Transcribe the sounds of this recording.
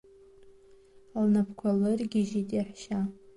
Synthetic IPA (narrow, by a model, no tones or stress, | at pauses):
alnapʰkʷʰalɨrɡʲiʒitʼiaħʃa